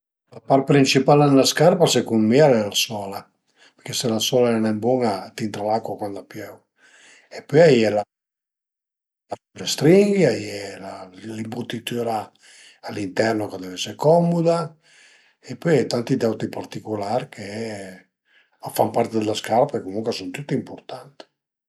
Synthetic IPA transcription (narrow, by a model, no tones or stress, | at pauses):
lapar̚pɾint͡ʃipalenelaskarpasekummiaɾɛlasɔːla | peɾkeselasɔːlaɛanɛmbwɔŋat̪int̪ɾalakwakwand̪apjɛw | epːɔjajɛla | lasut̪est̪ɾiŋɡiajɛlalimput̪ːit̪ːoɾa | alːint̪ɛrnokad̪ɛvɛsːeɾkɔmːud̪a | epːɔjɛt̪ant̪id̪ɛwt̪ipart̪ikolaɾkʰe | fampaɾt̪ed̪elaskaːlapeɾkekːomuŋkwesunt̪ut̪ːiimport̪ant̪i̥